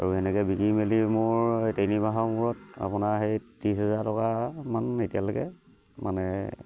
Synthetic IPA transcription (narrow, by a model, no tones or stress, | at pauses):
a̰ɹuɛnɛkɛbikɹimelimʊɹtejnibaɦamʊɹɔt̚a̰pʊnaɦejtɹisɦɛzaɹtɔkamanetijalokɛ̰ | ma̰nɛ̰